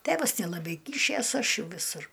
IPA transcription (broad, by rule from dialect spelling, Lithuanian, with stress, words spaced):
ˈtʲeːʋɐs nʲɛlˠɐˈbɐɪ ˈkʲiːʃʲeːs ˈɐʃ ˈjɛʊ ʋʲɪˈsʊr